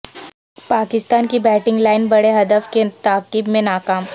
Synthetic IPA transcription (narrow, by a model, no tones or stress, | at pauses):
paːkɪst̪aːnkibɛːʈɪ̃ŋɡlaːɪnbɐɽeɦɐd̪əfket̪aːkibmẽnaːkaːm